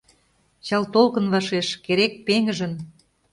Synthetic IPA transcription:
t͡ɕɑlt̪olkə̆nβɑʃeʃkeɾek̚peŋə̆ʒə̆n

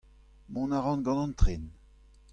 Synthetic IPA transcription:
mɔ̃naʁɑ̃nɡɑ̃nɑ̃nt̪ʁen

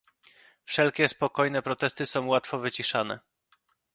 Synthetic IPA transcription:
fʂɛlkʲɛspɔkɔjnɛpɾɔt̪ɛst̪ɘsɔ̃w̃wat̪fɔvɘt͡ɕiʂanɛ̰

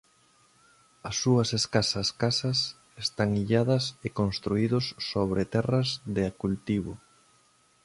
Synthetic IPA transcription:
ɐsːuɐseskasɐskasɐs | est̪aŋiʎaðɐsekonst̪ɾuiðʊsːoβ̞ɾet̪ɛrɐzðɪakult̪iβʊ

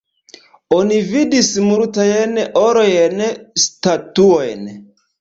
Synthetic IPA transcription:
onividismultajenoɾojenstatuojn

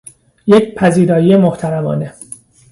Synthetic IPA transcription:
jecpʰæziːd̪ɒːjijemoht̪ʰæɾæmɒ̰ːne

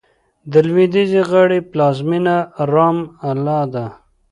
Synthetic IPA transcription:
d̪əlwid̪iziɣaɽiplɑzminaɾɑːmalɑd̪a

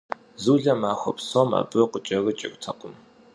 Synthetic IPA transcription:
zuːɮɐmaːxʷɔpsoːmɐ̰bʼɨqət͡ʃʼɐɣɨt͡ʃʼɪ̰ktʰɐqʊm

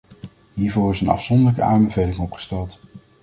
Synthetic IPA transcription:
ɦiːɹvʊːrɪsənɑ̰fsɔndəɹləkəaːmbəvejlɪŋɔpχə̥stɛlˠt

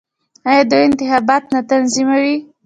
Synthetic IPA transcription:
ɑjɑd̪əjɪnt̪ɪxɑbɑt̪nat̪anzimawi

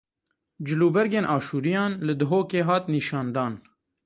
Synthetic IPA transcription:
d͡ʒɪluːbɛɾɡeːnʔɑːʃuːɾijɑːnlɨd̪ɨɦoːkeːɦɑːt̪niːʃɑːnd̪ɑːn

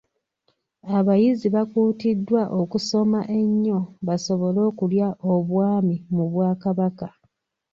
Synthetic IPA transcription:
aβajiziβakuːtidːwaʔo̞kuso̞maʔe̞ɲːo̞βaso̞βo̞lo̞ːkuljaʔoβwaːmimuβwaːkaβaka

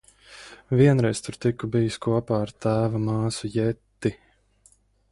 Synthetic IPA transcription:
viɛnɾɛjst̪ʊɾt̪ikːubijiskuɔpaːaɾt̪æːvamaːsujɛt̪ːi

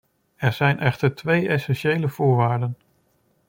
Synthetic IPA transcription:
ɛɹzɛjnʔɛχtəɹtʋejɛsɛnʃejləv̥ʊːɹʋaːɹdən

